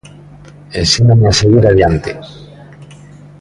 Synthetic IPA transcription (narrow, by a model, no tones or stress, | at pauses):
ensinameaseɣiɾaðjant̪ḛ